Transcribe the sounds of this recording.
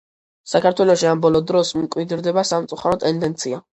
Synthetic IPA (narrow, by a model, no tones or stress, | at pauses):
sakʰaɾt̪ʰwɛlɔʃiambɔlˠɔd̪ɾɔsmkʼwid̪ɾd̪ɛbasamt̪sʼuχaɾɔt̪ʼːɛnd̪ɛnt̪sʰia